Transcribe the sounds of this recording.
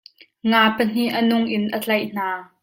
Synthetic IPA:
ŋaːpən̥iʔənʊŋʔɪnʔət͡ɬɐjʔn̥aː

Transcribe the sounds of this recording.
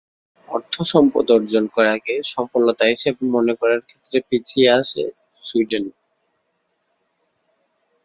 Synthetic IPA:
ɔɾt̪ʰːoʃɔmpo̰d̪oɾd͡ʑonkɔɾakeʃɔmpolːot̪aɦiʃebmonekɔɾaɾkʰet̪ːɾepit͡ɕʰieaʃḛ | suɖen

